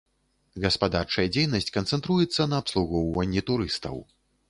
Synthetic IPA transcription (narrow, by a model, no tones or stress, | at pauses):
ɣɐspad̪art͡ʂɐjɐd͡zʲejnɐsʲt͡sʲkɐnt̪sɛnt̪ɾujɛt̪sːɐnɐːpslˠuɣɔwvɐnʲːit̪uɾɨst̪ɐ̰w